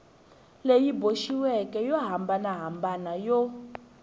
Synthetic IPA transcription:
lejiboʃiwɛkʼɛjɔɦambanaɦambanajɔ

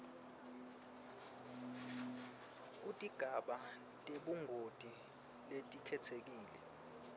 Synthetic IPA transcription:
utʼiɡ̥ʱaɓa | tʼeɓuŋʱotʼi | letʼikʰɛtʰek̬iːlɛ̰

